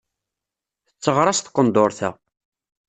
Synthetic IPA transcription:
θət͡sːəʁɾˤɑst̪qːənd̪oɾθæ̰

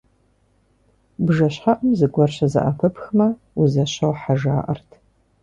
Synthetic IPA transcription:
bʒɐɕħaʔəmzɨɡʷɔrɕɐzɐ̰ʔapʰɨpxɨmɐ | uzɐɕɐwħaʒa̰ːʔɐ̰rtʰ

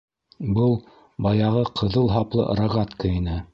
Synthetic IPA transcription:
bɤlˠ | bɑjɑʁɤqʰɤ̆ðɤlˠɦɑplˠɤ̰ɾɑʁɑt̪kɤ̆inɘ

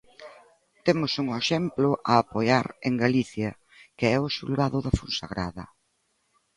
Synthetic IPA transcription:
t̪emʊsuŋeʃɛmplʊʔaːpojaɾeŋɡaliθjɐ | kɪɛʊsulɣaðʊðɐfunsaɣɾaðɐ

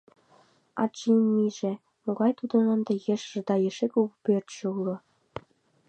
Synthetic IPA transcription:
ɑ̰t͡ʃinmːiʒĕ | moɣɑjt̪ud̪ɤ̆nə̆nd̪ĕjĕʃʒɤ̆d̪ɑjeʃekukpert̪ʃeulŏ

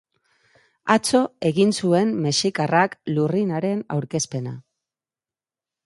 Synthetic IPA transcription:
at͡so̞e̞ɣinsue̞mmeʃikaraklurinaɾe̞na̰wɾke̞spe̞na̰

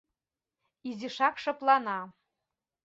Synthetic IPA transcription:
iziʂakʂəplˠana

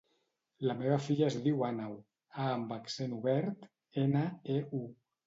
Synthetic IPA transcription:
lameβafiʎaezðiwanaw | aːmbaksenuβɛɾt̪ | enəeu

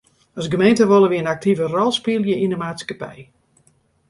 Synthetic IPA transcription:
ɔsɡəmejntəʋolˠəʋiənak̚tʰivərɔlˠspiəlˠjəindəmaːtskapɛ̰j

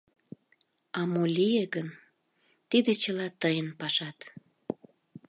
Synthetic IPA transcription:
ɑmolʲijeɡən | t̪id̪et͡ɕəlɑt̪əjənpɑʃɑt̪

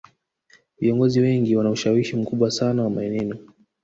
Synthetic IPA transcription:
viɔŋɡɔziwɛŋɡiwanauʃawiʃim̩kuɓwasanawamaɛnɛnɔ

